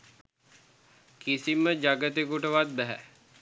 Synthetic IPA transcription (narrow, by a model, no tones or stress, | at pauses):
kisiməd͡ʒaɡət̪ekuʈəʋat̪̚bæɦæ̰